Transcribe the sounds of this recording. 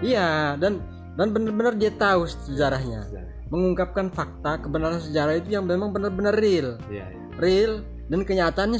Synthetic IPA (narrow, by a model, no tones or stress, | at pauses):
iadan | danbənarbənardiat̪aussəd͡ʒaɾahɲa̰ | məŋuŋkap̚kanfak̚t̪akəbənaɾansəd͡ʒaɾahit̪ujaŋmemaŋbənərbənərɪl | rɪl | dankəɲat̪aːnɲa